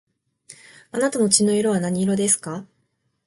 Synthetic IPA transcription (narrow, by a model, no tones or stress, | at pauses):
anat̪ano̞t͡ɕino̞iɾo̞βanaɲ̟iɾo̞d̪e̞sɨ̥ka